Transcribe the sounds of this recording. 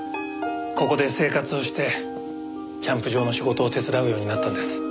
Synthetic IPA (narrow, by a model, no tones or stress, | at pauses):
ko̞ko̞d̪e̞se̞ːkat͡sɨo̞ɕi̥t̪e̞ | kʲãmpɯ̟ʑo̞ːno̞ɕiɡo̞t̪o̞ːt̪e̞t͡sɨd̪aɯ̟jo̞ːɲ̟inat̪ːand̪e̞sɨ̥